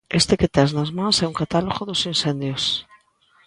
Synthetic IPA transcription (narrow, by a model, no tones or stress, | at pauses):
est̪eket̪ɛznazmãŋsɛuŋkat̪aloɣoðosinsend̪jos